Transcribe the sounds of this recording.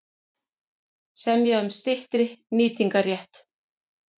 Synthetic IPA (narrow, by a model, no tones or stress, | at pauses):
sɛmjɛɣʏmst̪ɪht̪ɾɪniːt̪iŋkarjɛht̪